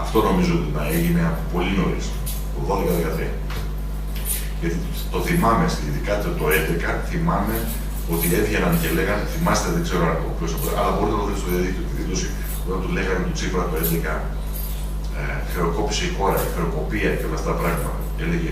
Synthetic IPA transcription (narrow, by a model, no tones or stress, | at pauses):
ɐft̪o̞no̞mizoot̪inɐeʝineɐpo̞lino̞ɾist̪o | oðo̞ðekɐðe̞kɐt̪ɾiɐ | ʝɐt̪i | t̪o̞θimɐmesiðikɐt̪et̪o̞e̞nd̪ekɐθimɐme̞ | o̞t̪ie̞ðʝenɐncele̞ɣɐnθimɐst̪eðekse̞ɾoɐɣopçosɐpoɾḛʔɐ̰lɐboɾit̪enɐðest̪oðjɐðikt̪iot̪iðilo̞si | ot̪ɐnt̪ule̞ɣɐnt̪ot͡sifɾɐt̪oend̪e̞kɐ | xɾeo̞ko̞pi̥seixo̞ɾɐixɾeo̞ko̞piɐceolɐft̪ɐt̪ɐpɾɐɣmɐt̪ɐ | e̞leʝe